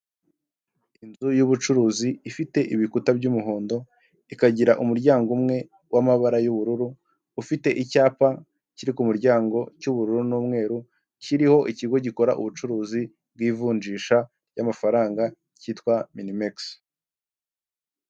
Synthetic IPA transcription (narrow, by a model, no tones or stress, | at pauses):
inzujuβut͡ʃuɾuːziifite̞ʔiβikutabɟumuɦoːndo̞ | ikaɟiɾaʔumuɾɟaːŋɡumŋe̞ | wamaβaɾajuβuɾuɾuː | fite̞ʔicaːpa | ciɾikumuɾɟaːŋɡo̞cuβuɾuɾunuːmŋe̞ːɾu | ciɾiho̞ʔiciɡo̞ɟiko̞ɾa̰ʔṵβut͡ʃuɾuːzi | b̚ɡiːvuːnd͡ʒiːʃa | jamafaɾaːŋɡa | ciːtkwaminimeks